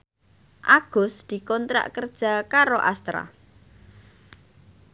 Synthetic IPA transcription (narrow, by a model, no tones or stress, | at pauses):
ʔaɡ̥ʊsd̪̥i̤kɔnt̪ɾa̰ʔkərd̥ʒ̥a̤kaɾoʔast̪ɾa̰